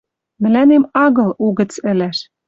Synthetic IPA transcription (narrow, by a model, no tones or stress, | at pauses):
mɘ̆lænemɑɣɤ̆luɣɘ̆t͡sɘ̆læʃ